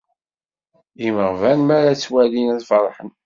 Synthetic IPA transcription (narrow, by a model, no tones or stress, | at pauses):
iməʁvænmæɾæt͡sːwælinæðfɾˤħən